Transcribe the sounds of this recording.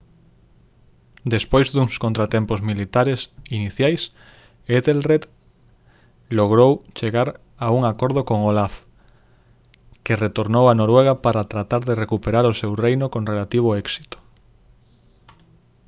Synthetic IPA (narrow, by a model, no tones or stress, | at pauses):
d̪espojzd̪uŋskont̪ɾat̪ɛmpozmilit̪aɾesiniθjajs | eðelret̪ | loɣ̞ɾowt͡ʃeɣaɾ | auŋakoɾð̞okoŋolaf | keret̪oɾnowanoɾweɣ̞apaɾat̪ɾat̪aɾðerekupeɾaɾosewrejnʊkoŋrelat̪iβ̞oɛksi̥t̪o̥